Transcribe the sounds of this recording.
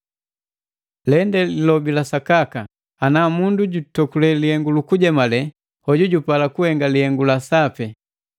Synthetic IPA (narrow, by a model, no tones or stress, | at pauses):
lɛndɛlilɔbilasakakaː | namunduɟutɔkulɛlihɛŋɡulukuɟɛmalɛ | hɔɟuɟupalakuhɛŋɡalihɛŋɡulasapɛ